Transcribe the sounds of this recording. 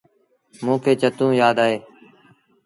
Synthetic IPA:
mũːkʰeːt͡ʃət̪ũːjaːd̪aːɦeː

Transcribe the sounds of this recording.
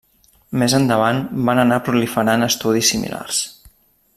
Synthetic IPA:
mezənd̪əβ̞anbanənapɾulifəɾanəst̪uð̞isːimḭla̰rs

